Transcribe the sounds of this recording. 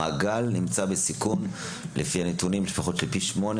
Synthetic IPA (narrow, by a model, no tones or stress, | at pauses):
aːɡalnimt͡sabesikun | lʔefianetunimlefaχo̞tlelpiʃmo̞n